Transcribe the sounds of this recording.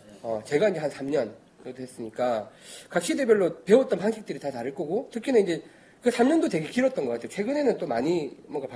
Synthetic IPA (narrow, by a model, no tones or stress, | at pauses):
ʌt͡ɕe̞ɡaind͡ʑe̞hansʰamɲʌn | kɯɾʌdʰohe̞s͈ɯɲik͈akak̚ɕ͈ide̞bjʌɭːope̞ot͈̚ʌnɸʰaŋɕʰik̚t͈ɯɾitataɾɯɭk͈ʌɡotʰɯkʰinɯnind͡ʑe̞ | kɯsʰamɲʌndote̞ɡe̞kiɾʌt̚t͈ʌnɡʌk͈atʰejot͡ɕʰwe̞ɡɯne̞nɯnt͈omaɲimwʌŋɡap